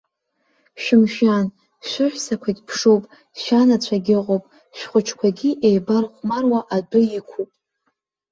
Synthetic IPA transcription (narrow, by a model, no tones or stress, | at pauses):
ʃᶣɪmʒᶣan | ʃʷɪħʷᶣsakʷʰatʲʼpʰʂowpʼ | ʃanat͡ɕʷʰaɡʲɪqʼowpʼ | ʃʷᶣχʷʊt͡ʃʰkʷʰaɡʲiʔejbarχʷmarwaʔadʊikʷʰupʼ